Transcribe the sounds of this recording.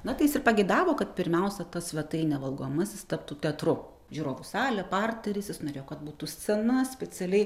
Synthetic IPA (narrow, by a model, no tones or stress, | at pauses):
nɐt̪ɐɪjɪsɪrpɐɡʲɛɪd̪ɑːʋoːkɐt̪pʲɪɾʲmʲɛʊsʲɛt̪ɐsʋʲɛt̪ɐɪnʲɛʋɐlˠɡoɔmɐsjɪst̪ɐp̚t̪uːt̪ʲɛt̪rʊ | ʒʲuːɾoːʋʊsɑːlʲɛpɑrʲt̪ʲɛɾʲɪsjɪsnoːɾʲeːjokɐt̪̚buːt̪uːsʲɛnɐsʲpʲɛt͡s̪ʲɛlʲɛɪ